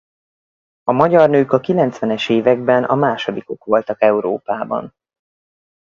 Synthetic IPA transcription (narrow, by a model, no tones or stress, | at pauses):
ɒmɒɟɒrnøːkɒkilɛnt̪sʋɛnɛʃeːvɛɡ̚bɛnɒmaːʃo̞d̪iko̞kʋo̞lt̪ɒkɛuɾo̰ːpaːbɒ̰n